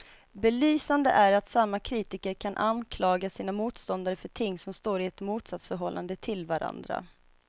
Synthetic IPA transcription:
bɛlyːsand̪əʔæɾat̪samːakʰɾiːt̪ɪkəɾkʰanʔankʰlɑːɡasiːnamuːt̪st̪ɔnd̪aɾəfœʈʰɪŋːsɔmst̪oːɾɪɛt̪muːt̪sat̪sfœɾɦɔlːʔa̰nd̪ət̪ʰɪlvaɾa̰nd̪ɾa̰

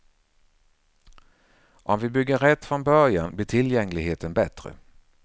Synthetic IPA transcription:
ʔɔmvɪbʏɡːəɾɛt̪ːfɾɔnbœɾjanblɪʈʰɪljɛŋːlɪɡɦeːt̪ənbɛt̪ɾə̰

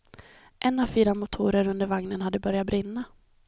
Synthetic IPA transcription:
ʔɛnːavfiːɾamʊt̪ʰuːɾəɾɵnd̪əɾvaŋnənhad̪ːəbœɾjat̪̚bɾɪnːa

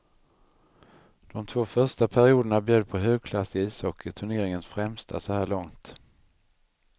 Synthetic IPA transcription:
d̪̥ɔmt̪ʰvoːfœʂʈapʰæɾɪuːd̪əɳabjøːd̪̚pʰɔɦøːɡ̚kʰlasɪiːsɔkʰːət̪ʰɵɳeːɾɪŋənsfɾɛmst̪ʰa̰sɔhæːɭɔŋt̪

